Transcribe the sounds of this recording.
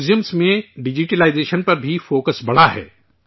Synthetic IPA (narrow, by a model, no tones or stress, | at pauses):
d͡ʒjəmsmẽɖɪd͡ʒiʈelaːɪzeːʃənpɐɾbʱifoːkəsbɐɽ̤aɦɛ̰ː